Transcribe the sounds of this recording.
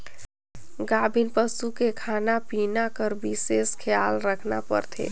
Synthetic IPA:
ɡaːbʱinpəsukekʰaːnapinakəɾbiseskʰjaːlɾəkʰna̰pə̰ɾt̪ʰḛː

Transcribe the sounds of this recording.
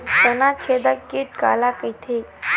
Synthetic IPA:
t̪ənat͡ʃʰed̪akiʈ̚ka̰lakəjt̪ʰe

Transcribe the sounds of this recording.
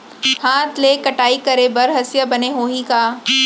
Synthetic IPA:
haːt̪ʰleːkɐʈaːikɐɾebɐɾɦɐsjəbɐneɦoːɦĩkaː

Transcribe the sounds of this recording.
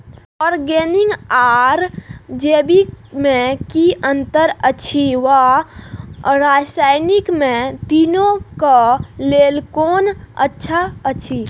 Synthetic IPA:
ɔːɾɡeniŋɡaɾd͡ʒebimẽkiʔənt̪əɾəːt͡ʃʰiʋa | ɾasajnikmẽt̪inokəlelkoːnə̰tːʃʰaət͡ʃʰi

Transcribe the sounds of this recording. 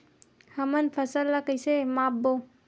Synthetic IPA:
həmənpʰəsəlːəkəjsemapbo

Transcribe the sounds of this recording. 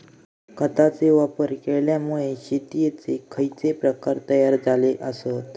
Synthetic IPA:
kət̪at͡seʋapəɾkeɭljamuɭeɕit̪ijet͡sekʰəjt͡sepɾəkaɾt̪əjaɾd͡zaleʔəsot̪

